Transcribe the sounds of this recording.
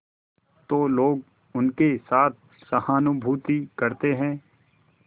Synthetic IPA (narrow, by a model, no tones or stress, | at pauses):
t̪oːloːɡ | ʊnkesaːt̪̚ʰ | sɐhaːnʊbʱuːt̪ikɐɾt̪eɦɛ̃ː